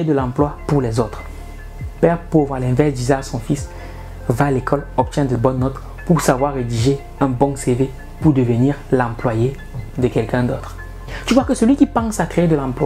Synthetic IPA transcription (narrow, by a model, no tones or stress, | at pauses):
ed̪əlɑ̃plwapuʁlɛzot̪χ | pɛʁpovʁalɛ̃vɛʁsd̪izɛasɔ̃fis | vaːlekʰɔlɔp̚t̪jɛ̃d̪əbɔnːɔt̪ | puʁsavwaʁːed̪iʒe | ɛ̃bɔ̃seve | puʁd̪əvəniːʁlɑ̃plwaje | d̪əkɛlkɛ̃d̪ot̪χ | t̪yvwakəsəlɥikʲipɑ̃sakχeed̪əlɑ̃plwa